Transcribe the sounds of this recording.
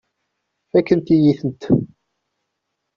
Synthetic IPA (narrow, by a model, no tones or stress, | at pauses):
ækːənt̪ijiθənt̪